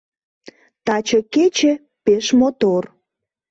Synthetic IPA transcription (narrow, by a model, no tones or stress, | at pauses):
t̪ɑt͡ɕəket͡ɕĕ | peʃmot̪or